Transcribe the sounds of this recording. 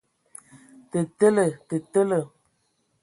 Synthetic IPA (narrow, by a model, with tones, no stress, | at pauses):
tə˨tə˦lə˨tə˨tə˦lə˨